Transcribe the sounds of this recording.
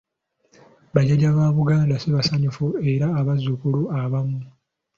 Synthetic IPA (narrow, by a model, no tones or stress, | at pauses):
βaɟeɟaβaːβuɡaːndaseβasaɲufue̞ɾaːβazukuluaβamu